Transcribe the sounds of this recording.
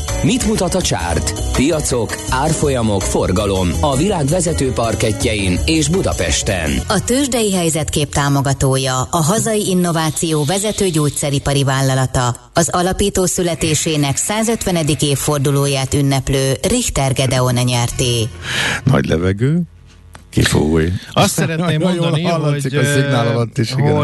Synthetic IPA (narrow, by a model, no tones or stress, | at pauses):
mit̪mut̪ɒt̪ɒt͡ʃa̰ːrt̪ | pijɒt̪so̞k | aːrfo̞jɒmo̞kforɡɒlo̞mɒvilaːɡʋɛzɛt̪øːpɒrkɛcːɛjineːʒbud̪ɒ̰pɛ̰ʃt̪ɛ̰nɒt̪øːʒd̪ɛjiɦɛjzɛt̪keːp̚t̪aːmo̞ɡɒt̪oːjɒɒɦɒzɒjiinːo̞vaːt̪sijoːvɛzɛt̪øːɟoːc̚t̪sɛɾipɒɾivaːlːɒlɒt̪ɒ | ɒzɒlɒpiːt̪oːsylɛt̪eːʃeːnɛksaːzø̞t̪ʋɛnɛd̪ikeːfːo̞rd̪uloːjaːt̪ynːɛpløːriht̪ɛrɡɛd̪ɛo̞nɛɲɛrt̪eːnɒ̰ɟlɛ̰vɛɡøː | kḭfo̰ɡujɒɛɾɛneːod̪lɒlːɔsikɒzenaːlɒlɒt̪ːiʃiɡ